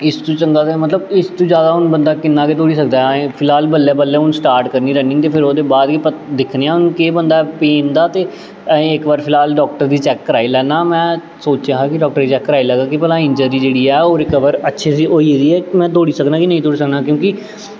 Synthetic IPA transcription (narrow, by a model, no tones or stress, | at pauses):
ɪst̪ũːt͡ʃəŋɡaːt̪emət̪ləbɪst̪ũːd͡ʒjaːd̪aːɦʊnbənd̪aːkɪnːaːkeːt̪oːɽiːsəkd̪aːɛ̃pʰɪlaːlbəlːeːbəlːeːɦʊnsʈaːɾʈkəɾniːɾɛːnɪ̃ŋt̪eːpʰɪɾoːd̪eːbaːd̪iːpəd̪ɪkʰneːãːʊnkeːbənd̪aːpeːnd̪aːt̪eː | ẽɪkbaːɾpʰɪlaːlɖɔːk̚ʈəɾd̪iːt͡ʃɛːkːəɾaːilɛːnaːmɛ̃ː | soːt͡ʃjãːɦaːkɪɖɔːk̚ʈəɾd̪iːt͡ʃɛːkːəɾaːilɛːɡaːkɪpɛːlãːɪ̃ɲd͡ʒəɾiːd͡ʒeːɽiːɛːoːɾɪkəʋəɾətːʃʰeːsiːoːid̪iːɛːmɛ̃ːt̪oːɽiːsəknaːkɪnəĩːt̪oːɽiːsəknaːkjõːkɪ